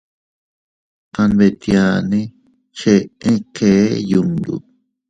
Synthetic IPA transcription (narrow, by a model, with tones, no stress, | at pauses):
kã˧nβe˧˨t̪ja˧nẽ˦ | t͡ʃe˧ẽ˦keː˨˦ju˧nd̪ṵ˨